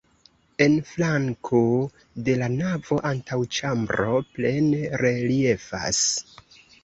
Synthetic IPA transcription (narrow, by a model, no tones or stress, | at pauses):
e̞nflaŋkʰo | de̞lanavo̞ʔantawt͡ʃambɾo̞ple̞neɾe̞lie̞fa̰s